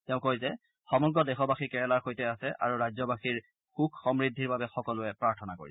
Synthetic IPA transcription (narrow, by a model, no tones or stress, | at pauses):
tɛʊ̃kojzɛ | xɔmɔɡɔdɛxɔbaxikɛɹɛlaɹxojtɛasɛʔa̰ɹuɹajzɔbaxiɹ | xukxɔmɹidʱiɹbabɛxɔkɔlʊɛpɹaɹtʰɔnako̰ɹḭsɛ